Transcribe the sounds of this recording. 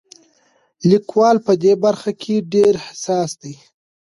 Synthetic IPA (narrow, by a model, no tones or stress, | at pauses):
likwɑlpəd̪ebaɾxakʰeɖeɾhɪsɑsd̪aj